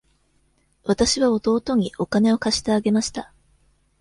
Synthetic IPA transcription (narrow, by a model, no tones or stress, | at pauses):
βat̪aɕiβao̞t̪o̞ːt̪o̞ɲ̟iʔo̞kane̞o̞kaɕi̥t̪eaɡe̞maɕi̥t̪a